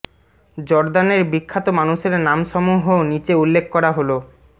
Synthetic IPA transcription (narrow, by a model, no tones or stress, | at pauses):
d͡ʑɔɾd̪aneɾbikʰːat̪omanuʃeɾnamʃɔmuɦonit͡ɕeulːekʰːkɔɾaɦolo